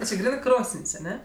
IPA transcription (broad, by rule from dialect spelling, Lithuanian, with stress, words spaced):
oː ˈt͡ʃʲɪ ˈɡrʲiːnɜ ˈkroːsənʲsʲ ɐˈnʲɛ